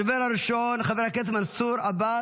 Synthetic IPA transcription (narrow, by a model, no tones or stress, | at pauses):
veɾaɾiʃonχaveɾhaket̪mansuɾaba